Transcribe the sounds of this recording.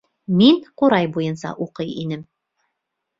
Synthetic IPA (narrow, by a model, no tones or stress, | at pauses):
miŋquɾɑjbujɤ̆nsɑ̰ʔuqɤjinɘm